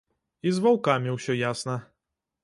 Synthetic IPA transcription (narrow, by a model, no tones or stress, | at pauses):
izvawkamʲiwɕɛjasna